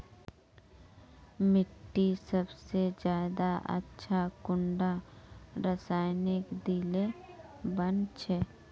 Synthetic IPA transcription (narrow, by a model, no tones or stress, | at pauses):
mɪʈːisəbsed͡ʒjaːd̪aʔə̰tːʃʰakʊɳɖaɾəsaːɪnɪkd̪ilebɐnt͡ʃʰɛː